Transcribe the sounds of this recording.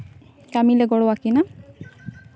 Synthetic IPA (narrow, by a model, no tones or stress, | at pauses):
kamilɛɡɔɽɔwakina